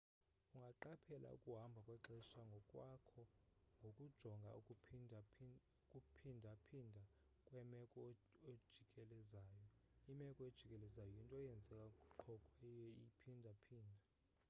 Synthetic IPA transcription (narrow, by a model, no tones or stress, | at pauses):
uŋɡʱaǃapʰɛlʔa̰ṵkʼuɦambʱakʼwɛǁɛʃaŋɡʱɔkʼwakʰɔŋɡʱokʼud̥ʒ̥ʱɔŋɡʱa̰ | kʼupʰindʱapʰindʱa | kʼwɛmɛkʼɔed̥ʒ̥ʱikʼɛlɛzaːjɔimɛkʼɔed̥ʒ̥ʱikʼɛlɛzajɔjintʼɔɛjɛnd͡zʱɛkʼakʼuǃʰɔkʼɛijɛipʰindʱapʰiːndʱa